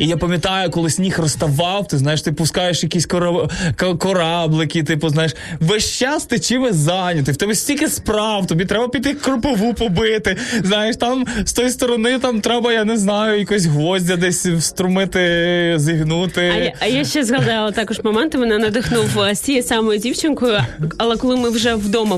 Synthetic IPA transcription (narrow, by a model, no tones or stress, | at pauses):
ijapɐmʲjɐt̪ɑjʊkɔlˠɪsʲnʲixrɔst̪ɐʋɑwt̪ɪznɑjeʃt̪ɪpʊskɑjeʃjɐkʲisʲkɔkkɔɾɑblˠɪkʲit̪ɪpʊznɑjeʃ | ʋɛʃt͡ʃɑst̪ɪt͡ʃɪʋɛzɑnʲɐt̪̬ɪwt̪ɛbɛsʲtʲilʲkʲɪspɾɑwt̪ɔbʲit̪ɾɛbɐpʲid̪ʲt̪ːɪkrʊpɪʋupɔbɪt̪ɪznɑjeʂt̪ɑmst̪ɔjist̪ɔɾɔnɪt̪ɑmt̪ɾɛbɐjanɛznɑjʊjɐkɔs̬ʲɦʋɔzʲdʲɐd̪ɛsʲwst̪ɾʊmɪt̪ɪzʲiɦnut̪ɪɐjaʃʃt͡ʃɛzɦɐd̪ɑlˠɐt̪ɑkɔʒmɔmɛnt̪ɪʋɔnɑnɐd̪ɪxnuwsʲt͡sʲijɛsɑmɔjʊdʲiwt͡ʃɪnkʊjʊɐlˠɛkɔlˠɪmɪwʒɛwd̪ɔmɐ